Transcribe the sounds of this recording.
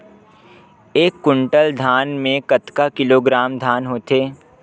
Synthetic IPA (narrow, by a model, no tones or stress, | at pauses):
eːkːʊɳʈəld̪ʱaːnmẽkət̪kakɪloːɡɾaːmd̪ʱaːnɦoːt̪eː